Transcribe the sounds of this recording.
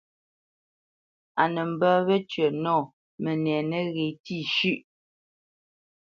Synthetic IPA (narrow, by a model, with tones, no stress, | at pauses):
a˨nə˨m̩˨bə˦βə˦t͡ʃɥə˨nɔ˦˨ | mɛ˨nɛː˨nə˦ɣe˨ti˦˨ʃʉ˦˨ʔ